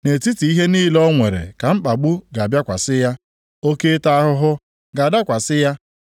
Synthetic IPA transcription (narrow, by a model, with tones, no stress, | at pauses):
ne˨ti˦ti˨i˦ɦe˦niː˦lɔ˦ŋʷe˨ɾḛ˨ka˨m̩˦k͡pa˨ɡ͡bu˦ɡa˨bja˦kʷa̰˨sɪ˦ja˦ | o˦ke˦ta˦a˦ɦʊ˦ɦʊ˦ | ɡa˨da˦kʷa˨sɪ˦ja˦